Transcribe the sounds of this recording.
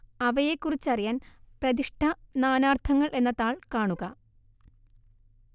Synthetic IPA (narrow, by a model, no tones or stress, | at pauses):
ɐʋɐjekːurit͡ɕːɐrijaːnprɐðiʂʈʰɐnaːnaːrt̪ʰɐŋːɐɭʔe̞nːɐt̪aːɭkaːɳuɣɐ